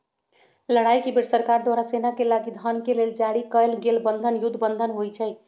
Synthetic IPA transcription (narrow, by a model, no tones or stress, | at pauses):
ləɽajkebeɽsəɾkaɾd̪waɾasenakelaɡid̪ʱənkeleld͡ʒaɽikəlɡelbənd̪ʱənjud̪ʱbənd̪ʱənɦojt͡ʃʰəj